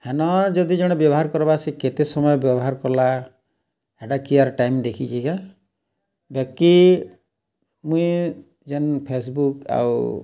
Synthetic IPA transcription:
henɔd͡ʒɔd̪id͡ʒɔɽ̃ɔbjɔbɔɦaɾkɔɾɔbasiket̪esɔmɔjɔbjɔbɔɦaɾkɔla | ɛɖakiaɾʈajmd̪ekʰit͡ʃʰiɡa | bjɛk̚i | mũĩ | d͡ʒenpʰesbuka̰w

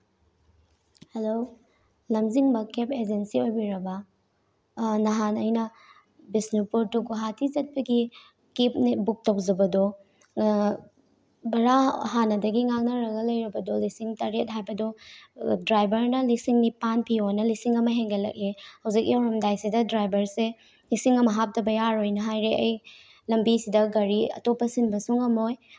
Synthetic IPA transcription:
helo | lɐmziŋbɐkeped͡ʒensiojbiɾɐbɐ | nɐɦanɐjnɐ | bisnupuɾtukuɦatʰizɐt̚bɐɡi | kip̚nibuk̚tɐwzɐbɐdɔ | bɐɾahanɐdɐɡiŋaŋ̚nɐɾɐɡɐlɐjɾɐbɐdolisiŋtaɾet̚ɦajbɐdɔ | dɾajbɐɾnɐlisiŋnipanpionɐlisiŋɐmɐɦeŋɡelɐ̰k̚ehɐwzik̚jawɾɐmdajsidɐdɾajbɐɾse | lisiŋɐmɐɦap̚tɐbɐjaɾojnɐɦajɾeʔɐj | lɐmbisidɐɡɐɾiɐ̰topːɐsinbɐsuŋɐmoj

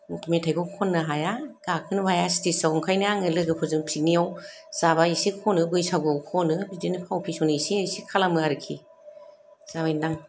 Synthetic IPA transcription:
mukmetʰajɡɔkʰɔnːɯɦajaɡ̥akʰɯnbajasi̥tisawɔŋkʰajnɯaŋɯlɯɡɯpʰɔzɯŋpʰinijaw | z̥aβaisikʰɔnɯbɯjsaɡɔwkʰɔnɯbidinɯpʰawpʰisɔnɯisiajsikʰalamɯaɾɯkʰḭ | z̥abajnaŋ

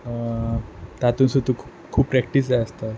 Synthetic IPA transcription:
t̪at̪unsud̪ʱukʰu̥ | kʰuːppːɾɛkʈis̬d͡ʑaəst̪a

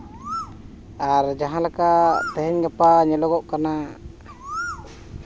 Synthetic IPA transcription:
aɾd͡ʒaɦãlakaʔt̪ɛɦɛɲɡapaɲɛlɔɡɔʔkana

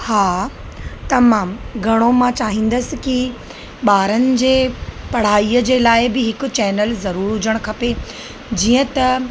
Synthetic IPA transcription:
haː | t̪ɐmaːmɡʱɐɽ̃omãt͡ɕaːɦĩːn̆d̪əsɪ̆ki | ɓaːɾənɪ̆d͡ʑeːpɐɽ̤aːiəd͡ʑeːlaːɪbɪɦɪkʊ̆t͡ɕɛːnəlzɐɾuːɾɦʊd͡ʑəɽ̃kʰɐpe | d͡ʑiːə̃t̪ɐ

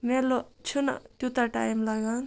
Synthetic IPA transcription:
melot͡ʃʰuna̰t̪ut̪aʈa̰imlaɡan

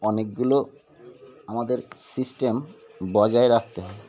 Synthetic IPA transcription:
ɔnek̚ɡulo | amad̪eɾsisʈem | bɔd͡ʑaeɾak̚t̪e

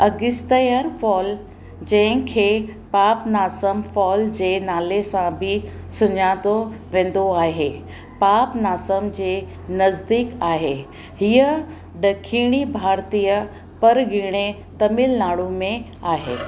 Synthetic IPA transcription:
ɐɡɪst̪əjəɾfɔːl | d͡ʑɐ̃ɦɪ̃kʰeːpaːpnaːsəmfɔːld͡ʑeːnaːlesãbʱɪ | sʊɲaːt̪oʋẽːn̆d̪oaːɦeː | paːpnaːsəmd͡ʑeː | nɐzd̪iːkaːɦe | ɦiə | ɖɐkʰiːɽ̃ibʱaːɾt̪ijə | pɐɾɡʱɪɽ̃e | t̪ɐmɪlnaːɭũmẽ | aːɦḛː

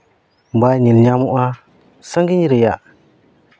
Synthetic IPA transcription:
mbaɲilɲamuʔa | saŋɡiɲiɾija

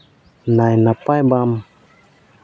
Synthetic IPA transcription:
najnapajbam

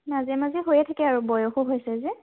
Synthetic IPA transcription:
nazɛmaziɦojɛtʰakɛaɹubɔjoxuɦojsɛzɛ

